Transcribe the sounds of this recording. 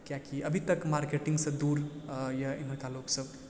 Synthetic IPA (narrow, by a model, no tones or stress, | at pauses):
kjakiʔəbʱit̪əkmaɾkeʈĩŋɡsə̃d̪uɾjainɦəɾkaloksəb